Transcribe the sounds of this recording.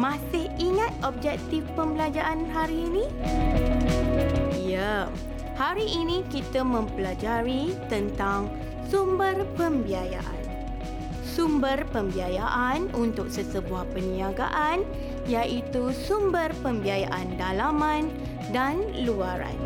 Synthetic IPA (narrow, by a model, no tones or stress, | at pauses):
mãsɪhiŋãt̪ɔb̚d͡ʒɛk̚t̪ifpəmbəlad͡ʒaʔanɦaɾiːnĩ | jə | haɾiʔːnĩkit̪əmə̃mpəlad͡ʒaɾit̪ənt̪aŋ | sumbərpəmbiaja̰ʔa̰n | sumbərpəmbiajaʔanunt̪ʊk̚səsəbuahpənĩaɡa̰ʔan | jaʔit̪usumbərpəmbiajaʔandalamãn | danluaɾa̰n